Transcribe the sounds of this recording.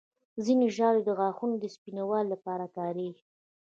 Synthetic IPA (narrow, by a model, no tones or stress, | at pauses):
zineʒɑɾed̪əɣɑxunod̪əspinawɑlːapɑɾat̪ɑɾix